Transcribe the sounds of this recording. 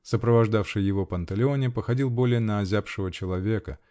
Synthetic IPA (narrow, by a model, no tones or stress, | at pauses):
səpɾəvɐʐd̪afʂɨjːɪvo̞pənt̪əlʲɪo̞nʲɪpəxɐdʲilˠbo̞lʲɪjənɐːzʲapʂɨvət͡ɕɪlˠɐvʲe̞kə